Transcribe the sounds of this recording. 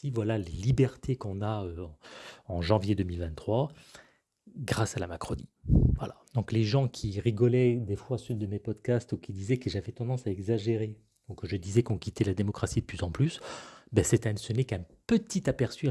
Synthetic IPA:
sivwalalelibɛʁt̪ʰekɔ̃naø̃ | ɑ̃ʒɑ̃vjed̪əmilvɛ̃t̪ːχwa | ɡʁasalamakχɔnḭvwa̰lad̪̥ɔ̃kleʒɑ̃kʲʰiʁiɡɔlɛd̪efwasynd̪əmepɔd̪kast̪ukʲid̪izɛkəʒavɛt̪ɑ̃d̪ɑ̃saɛɡzaʒeʁe | d̪ɔ̃kʒəd̪izɛkɔ̃kʲit̪ɛlad̪emɔkχasid̪əplyzɑ̃plysbɛsɛt̪ɛ̃nsənɛkɛ̃pət̪it̪apɛʁsy

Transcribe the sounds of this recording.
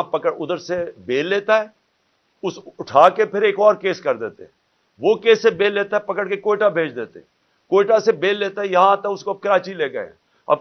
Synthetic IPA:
pɐkəɽʊd̪əɾsebeːlːeːt̪aɦɛː | ʊsʊʈʰaːkepʰɪɾeːkɔːɾkeːskɐɾd̪ḛːt̪ḛɦɛ̃ | ʋokeːsebeːlːeːt̪aɦɛpɐkəɽkekoːɪʈabʱeːd͡ʒd̪eːt̪ḛɦɛ̃ | koːʈasebeːlːeːt̪aɦɛjɐɦãt̪ɐkʊskoɐb̚kɪɾaːt͡ʃileːɡɐḛ̃ | ɐ̰b

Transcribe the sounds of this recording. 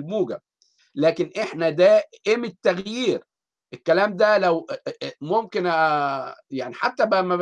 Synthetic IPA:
lmuːɡæb̚ | læːkenʔeħnæd̪æʔemet̪ːæɣjiːɾ | ʔekːælæːmd̪ælæwmomken | jaʕniħat̪ːæbæmæ

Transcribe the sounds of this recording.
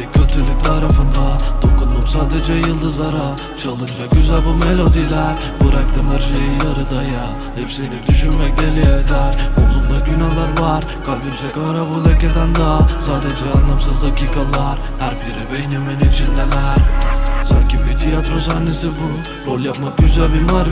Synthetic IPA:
icʰøt̪ʰylʲyc̚ʲt̪ʰaɾafɯnd̪ad̪̥o̞kund̪umsaːd̪ed͡ʒɛjɯlˠd̪ɯzaɾa | t͡ʃʰalˠɯnd͡ʒaɟyzælʲbumelʲod̪ilʲæɾ | buɾakt̪ʰamaɾʃejijaɾɯd̪aja | hɛpsinikd̪yʃynmɛclʲeɾijed̪æɾkound̪aɟynalˠaɾvaɾ | kʰablʲimsekaɾabulˠeced̪ænd̪asaːd̪ed͡ʒɛanlˠamsɯzd̪acʰiːkʰalˠaɾ | hæɾbiɾibejnymenit͡ʃʰinʲːelʲæ | saɲcibiɾt̪ʰijat̪ɾo̞sanːesibu | ɾo̞lʲˠjapmak̚ɟyzælʲbinmaɾ

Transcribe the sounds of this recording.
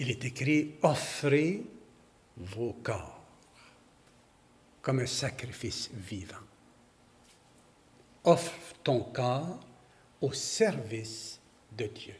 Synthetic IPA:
ilet̪ekɾiɔfɾe | vokɑː | ʁ | kɔmɛ̃sakɾifisviːvɑ̃ | ɔfɾt̪ɔ̃kɑːʁ | osɛʁvis | d̪əd̪jø

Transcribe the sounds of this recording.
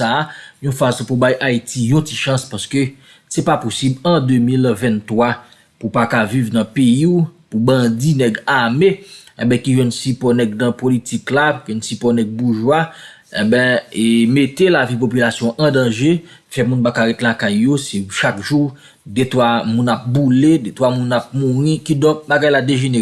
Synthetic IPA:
ajɔ̃fasɔ̃pubajʔaitʰijɔ̃ti̥ʃɐ̃spaskø | sɛpaposiblɐ̃d̪ømilvɛ̃nt̪wa | pupakavivnɐ̃peiupubɐ̃d͡zinɛɡameɛ̃bɛ̃kiʒwɛnsipɔnɛɡ̚nɐ̃politiklaʒɛnsipɔnɛɡ̚buʒwa | ɛ̰̃bɛ̃emet̪elavipopylasjɔ̃ʔɐ̃dɐ̃ʒe | fɛmũnbakaɣet̪elakajːosɛʃakʒu | det̪wamũnap̚buledet̪wamũnap̚mũɣĩkidɔ̃k̚baɡajladeʒene

